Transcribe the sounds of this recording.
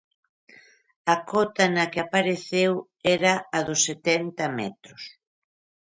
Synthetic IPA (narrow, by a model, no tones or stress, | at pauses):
ɐkɔt̪ɐnɐkɪapaɾeθew | ɛɾɐɐðʊsːet̪ɛnt̪ɐmɛ̰t̪ɾʊs